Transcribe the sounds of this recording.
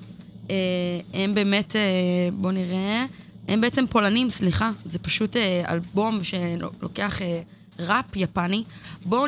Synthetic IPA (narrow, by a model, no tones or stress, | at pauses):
eembe̞ːme̞tebo̞niʁe | hembeet͡sempo̞lanimsliχazepaʃutea̰lbo̞mʃe̞lo̞̰ke̞aχe | ʁapjapanibo